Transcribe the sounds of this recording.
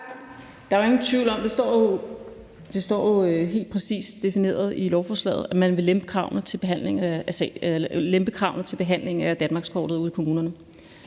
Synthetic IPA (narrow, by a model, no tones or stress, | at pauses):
d̥ɑ̈æʋe̝ŋn̩t͡sʰʋiʊ̰lɒ̽md̥esɒ | d̥e̝sd̥ɒ̰ːjo̝ɦe̝̰ːld̥̚pʰʁɛsḭːsd̥e̝fine̝̰ːɐð̞ˠilɒʊfɒːslɛ̰ːð̩ˠæmænʋe̝lemb̥əkʰʁɑ̈ʊ̰nð̩ˠt͡sʰe̝lb̥e̝ɦæn̰le̝ŋæsɛlemb̥əkʰʁɑ̈ʊ̰n̩ˠt͡sʰelb̥e̝ɦæn̰le̝ŋ̩æd̥ænmɑ̈ːɡ̥skʰɒ̰ːd̥ð̩ˠuðˠikʰo̝muːnɐnə